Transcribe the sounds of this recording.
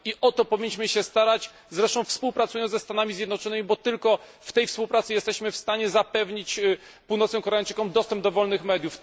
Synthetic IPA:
iʔɔt̪ɔpɔvʲiɲːiɕmɘɕɛst̪aɾat͡ɕ | zɾɛʂt̪ɔ̃w̃fspuwpɾat̪sujɔnd̪zɛst̪anamʲizjɛd̪nɔt͡ʂɔnɘmʲibɔt̪ɘlkɔ | ft̪ɛjfspuwpɾat̪sɘjɛst̪ɛɕmɘfst̪aɲɛzapɛvɲit͡ɕ | puwnɔt̪sɛ̃kɔɾɛajt͡ʂɘkɔ̃md̪ɔst̪ɛmb̚d̪ɔvɔlnɘxmɛd̪juf

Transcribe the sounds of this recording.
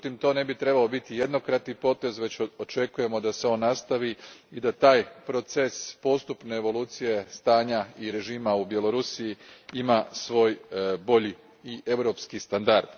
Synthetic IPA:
ut̪imt̪o̞ːne̞bit̪ɾe̞baobit̪ije̞d̪no̞kɾat̪nipo̞t̪e̞zʋe̞t͡ɕot͡ʃe̞kuje̞mo̞d̪ase̞o̞nːast̪aʋiid̪at̪aːjpɾo̞t̪sespo̞st̪upne̞ːʋo̞lˠuːt̪sije̞st̪aːɲaiɾe̞ʒiːmaubje̞lo̞ɾusijiimasʋo̞ːjbo̞ʎiː | ʔe̞wɾo̞pskist̪and̪aɾd̪̥

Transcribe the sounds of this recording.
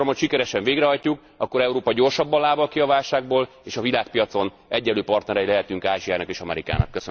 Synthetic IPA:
omhocʃikɛɾɛʃɛɱveːɡrɛɦɒjcuk | ɒkːo̞ɾɛuɾoːpɒɟo̞rʃɒbːɒlaːbɒlkiɒvaːlʃaːɡ̚boːl | eːʃɒvilaːk̚pijɒt̪so̞n | ɛɟːɛlːøːpɒrt̪nɛɾɛjilɛɦɛt̪yŋkaːʒiaːnɒkeːʃɒmɛ̰ɾika̰ːnɒ̰kːøsø

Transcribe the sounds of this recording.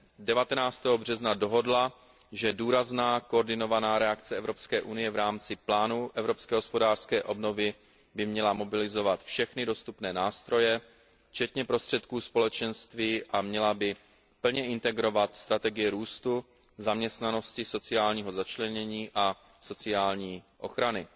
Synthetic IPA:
dɛvat̪ɛnaːt͡st̪ɛːɦobr̝ɛznado̞ɦo̞dla | ʒɛduːɾaznaːkoːɾdɪno̞vanaːɾɛakt͡sɛɛvɾo̞pskɛːʔunɪjɛvɾaːmt͡sɪplaːnuʔɛvɾo̞pskɛːɦospo̞daːr̥skɛːʔo̞bno̞vɪ | bɪmɲɛlamo̞bɪlɪzo̞vat̪fʃɛxnɪdo̞st̪upnɛːnaːst̪ɾo̞jɛ | t͡ʃɛt̪ɲɛpɾo̞st̪r̝̥ɛt̪kuːspo̞lɛt͡ʃɛnst̪viːʔamɲɛlabɪ | pl̩ɲɛʔɪnt̪ɛɡɾo̞vat̪st̪ɾat̪ɛɡɪjɛɾuːst̪u | zamɲɛst̪nano̞scɪso̞t͡sɪaːlɲiːɦo̞zat͡ʃlɛɲɛɲiːʔa | so̞t͡sɪaːlɲiːʔo̞̰xɾanɪ

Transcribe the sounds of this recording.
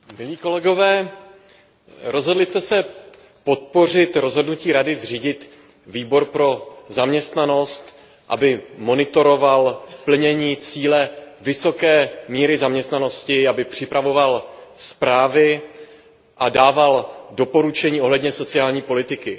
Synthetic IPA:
mɪliːko̞lɛɡo̞vɛː | ɾo̞zɦo̞dlɪst̪ɛsɛ | po̞t̪̚po̞r̝ɪt̪ɾo̞zɦo̞dnuciːɾadɪzr̝iːɟɪt̪ | viːbo̞ɾpɾo̞zamɲɛst̪nano̞st̪ | ʔa̰bɪmo̞nɪt̪o̞ɾo̞valpl̩ɲɛɲiːt͡siːlɛvɪso̞kɛːmiːɾɪzamɲɛst̪nano̞scɪabɪpr̝̥ɪpɾavo̞valspɾaːvɪ | ʔadaːvaldo̞po̞ɾut͡ʃɛɲiːo̞ɦlɛdɲɛso̞t͡sɪaːlɲiːpo̞lɪt̪ɪkɪ

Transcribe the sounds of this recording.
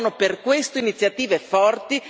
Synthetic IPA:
noperkwest̪oinit̪sːjat̪iːvefɔrt̪i

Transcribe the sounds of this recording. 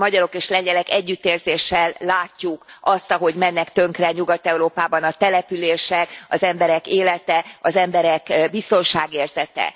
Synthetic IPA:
mɒɟɒɾo̞keːʃlɛɲɟɛlɛkɛɟːyt̪ːeːrzeːʃɛlːaːcːukɒst̪ɒɦo̞ɟmɛnːɛkt̪ø̞ŋkrɛɲuɡɒt̪ɛuɾoːpaːbɒnɒt̪ɛlɛpyleːʃɛkɒzɛmbɛɾɛkeːlɛt̪ɛɒzɛmbɛɾɛkbist̪o̞nʃaːɡeːrzɛt̪ɛ̰

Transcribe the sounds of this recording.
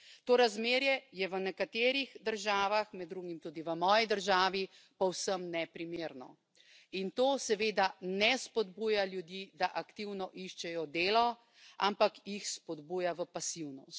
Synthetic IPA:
t̪oːɾazmeːɾjɛjɛʋənɛkat̪eːɾiɣd̪əɾʒaːʋaxmɛd̪ːɾuɡimt̪uːd̪iʋəmɔːjid̪əɾʒaːʋi | pɔwsəmnɛpɾimeːɾnɔ̰ | int̪oːsɛʋeːd̪anɛspɔd̪buːjaljud̪jid̪aʔakt̪iwnɔʔiʃt͡ʃɛjɔd̪eːlɔ | a̰mpakjixspɔd̪buːjaʋəpasiwnɔst̪

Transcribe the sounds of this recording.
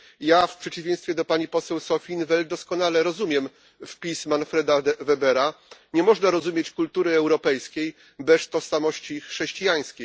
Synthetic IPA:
jafpʂɛt͡ɕivʲẽj̃st̪fʲjɛd̪ɔpaɲipɔsɛwsɔfʲinvɛld̪ɔskɔnalɛɾɔzumʲjɛm | fpʲismanfɾɛd̪avɛbɛɾaɲɛmɔʐnaɾɔzumʲjet͡ɕkult̪uɾɘɛwɾɔpɛjskʲej | bɛst̪ɔʂsamɔɕt͡ɕixʂɛɕt͡ɕijaj̃skʲej

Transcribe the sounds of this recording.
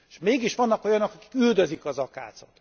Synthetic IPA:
ʃmeːɡiʃʋɒnːɒko̞jɒnokɒki̥kyld̪ø̞zikɒzɒka̰ːt̪sot̪

